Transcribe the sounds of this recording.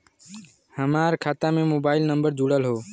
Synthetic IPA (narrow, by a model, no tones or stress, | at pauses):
həmaɾkʰaːt̪amemobaːɪlnəmbəɾd͡ʒuɽəlɦoː